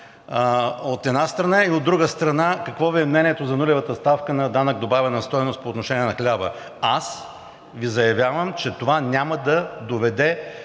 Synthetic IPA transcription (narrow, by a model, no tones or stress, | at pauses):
ot̪ɛd̪nast̪ɾɐnaiod̪ːɾuɡəst̪ɾɐnakɐkvɔviɛmnɛnʲiɛt̪ozɐnulʲɛvət̪əst̪afkənɐd̪anəɡ̚d̪obavʲɛnɐst̪ɔjnost̪poːt̪noʃɛniɛnɐxlʲabə̰ | as | vizɐjɐvʲjavəmt͡ʃɛt̪ovanʲaməd̪ɐd̪ovɛd̪ɛ